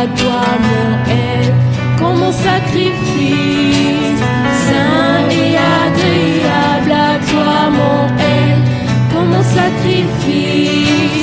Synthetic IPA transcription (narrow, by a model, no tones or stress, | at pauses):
t̪wamɔ̃ | ɛ | l | kɔmɔ̃sakχif | i | s | sɛ̃ | iaɡija | blat̪wa | mɔ̃ | ɛ | kɔmɔ̃sakχifi